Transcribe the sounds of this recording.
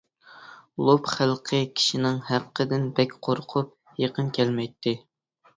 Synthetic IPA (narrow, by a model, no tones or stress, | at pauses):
lˠopχælˠqʰəkʲʰi̥ʃinɪŋhæqːəd̪ɪnbɛkʲqʰoɾqʰʊp̚ | jeqʰənkʲʰɛlmɛjt̪ʰːɪ